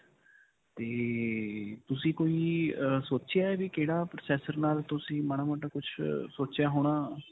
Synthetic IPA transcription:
t̪eː | t̪ʊsĩːkoːiːsoːt͡ʃɪjaːɛːʋikeːɽaːpɾəsɛːsəɾnaːlt̪ʊsĩːmañaːməʈãːkʊt͡ʃʰsoːt͡ʃjaːɦoːɽ̃aː

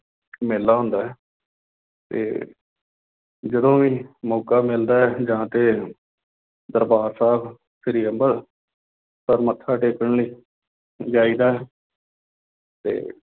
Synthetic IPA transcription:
mɪlːaːɦʊ̃nd̪aːɛː | t̪ḛː | d͡ʒəd̪õːʋiːmoːkaːmɪld̪aːɛd͡ʒãːt̪eː | d̪əɾbaːɾsaːb | sʰɪɾiːəmbəɾ | səɾmət̪ʰːaːʈeːkəɳliː | d͡ʒaːiːd̪aːɛː | t̪ḛː

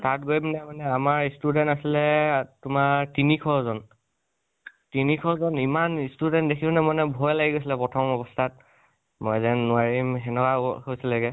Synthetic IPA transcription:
tat̚ɡojmnɛmanɛamaɹistudɛntasilɛtʊmatinikʰɔzɔn | tinikʰɔzɔnimanistudɛntdekʰiunɛmɔnɛbʱɔjlaɡiɡojs̬ilɛpɹɔtʰɔmɔbɔstʰat̚ | mɔjzɛnːʊaɹimxɛnɔkahojsilɛkɛ

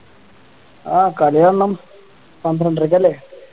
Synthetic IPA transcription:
aːkɐlɐjanːɐm | sɐnd̪ʱɾɐɳɖirik̬ʲːɐlːe

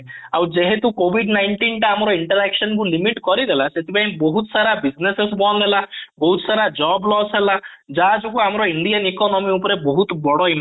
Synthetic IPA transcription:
awd͡ʒeɦet̪ukobʱiɖnajɳʈinʈaamɔɾɔiɳʈɔɾɛksɔnkulimiʈkɔɾid̪ʱelaset̪ʰipaĩbɔɦut̪ɔsaɾabid͡ʒnesesbɔnd̪ʱelabɔɦut̪ɔsaɾad͡ʒɔblɔselad͡ʒad͡ʒukuamɔɾɔiɳɖijanikɔnɔmiupɔɾebɔɦut̪bɔɽɔim

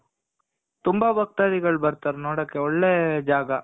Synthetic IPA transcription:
t̪umbɐbɐk̚t̪aːd̪iɡɐɭbɐɾt̪aːɾnoːɽɐːkːeɔɭːed͡ʒaːɡɐ

